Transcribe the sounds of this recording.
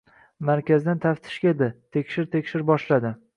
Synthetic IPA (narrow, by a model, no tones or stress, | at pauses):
maɾkʲazd̪ant̪ʰaft̪ʰɪ̥ʃkʲaed̪ɪt̪ʰekʲʃɪɾt̪ʰe̞kʲʃɪɾbɒʃlad̪ɪ